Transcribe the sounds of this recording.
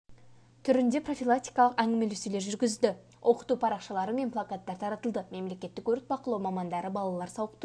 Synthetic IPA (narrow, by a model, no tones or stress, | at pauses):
t̪ʰʏɾɪnd̪e̞pro̞filˠak̚t̪ijkɑlˠəqæŋɡʲɪmeleseleɾʒʏɾɡʲɪzd̪ɪ | wʔo̞qə̥t̪upʰɑɾɑqʃɑlˠɑɾəme̞nplˠakat̪ːɑɾt̪ʰɑɾɑt̪əlˠd̪əme̞mle̞kʲe̞t̪ːɪkwɵɾɪt̪̚bɑqəlˠɑwmɑmɑnd̪ɑɾəbɑlˠɑlˠɑɾsɑwəqt̪ə